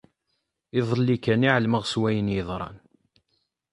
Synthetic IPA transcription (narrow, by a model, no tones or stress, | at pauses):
ɪðˤəlːikæniʕəlməʁswæjənjəðˤɾˤɑ̰n